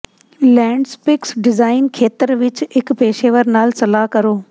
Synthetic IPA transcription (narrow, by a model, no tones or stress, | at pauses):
lɛ̃ːɳɖspɪksɖɪzaːɪnkʰeːt̪əɾʋɪt͡ʃɪkpeːʃeːʋəɾnaːlsɐlaːɦkɐɾoː